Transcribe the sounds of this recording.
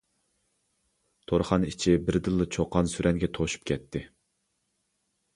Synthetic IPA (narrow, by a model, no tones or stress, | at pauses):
t̪ʰoɾχɑnit͡ʃʰibɪɾd̪ɨlˠːɨt͡ʃʰoqːɑnsyɾʔɛŋɡʲɛt̪ʰoʃu̥p̚kʲʰɛt̪ʰːɪ